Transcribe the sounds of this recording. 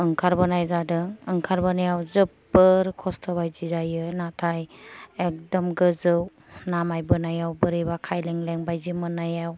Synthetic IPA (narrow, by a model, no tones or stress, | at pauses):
ɯŋkʰaɾbɯnajzadɯŋɯŋkʰaɾbɯnajawzɯp̚bɯɾkʰɔstʰɔbajzizajɯnatʰajek̚dɔmɡɯzɯw | namajbɯnajawbɯɾibakʰajleŋleŋbajzimɯnajaw